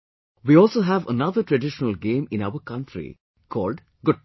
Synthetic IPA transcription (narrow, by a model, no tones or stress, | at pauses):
ʋiːɔːlsoːɦæʋə̰nad̪əɾʈɾəɖɪʃənəlɡẽːmɪ̃naʊəɾkʌ̃ɳʈɾḭ | kʰɔːlɖ | ɡʊɖ̚